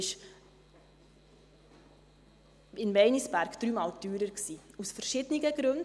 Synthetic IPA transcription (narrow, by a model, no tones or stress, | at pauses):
ɪʃ | ɪnvɛɪnisbæɾɡd̥ɾyːmɑːldyːɾəɾksiːusfəɾʃɪdəniɡəɡ̥ɾɵnd